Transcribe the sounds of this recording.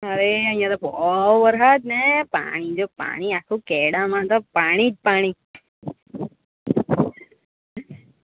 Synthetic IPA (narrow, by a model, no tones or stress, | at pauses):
əɾeə̃ijãt̪obɔʋəɾɦat̪nepa̰ɽ̃id͡ʒopa̰ɽ̃iakʰukɛɽamãɦət̪opaɽ̃id͡ʒpaɽ̃i